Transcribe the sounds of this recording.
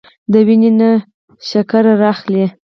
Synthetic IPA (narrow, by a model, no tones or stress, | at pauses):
d̪əwinena | ʃakaɾaɾɑxli